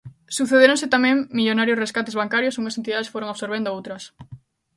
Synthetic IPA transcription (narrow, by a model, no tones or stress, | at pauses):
suθeðeɾõŋset̪amɛ̃ŋmiʎonaɾjʊsreskat̪ezβaŋkaɾjosuŋɐsent̪iðaðesfoɾoŋasoɾβend̪oowt̪ɾɐs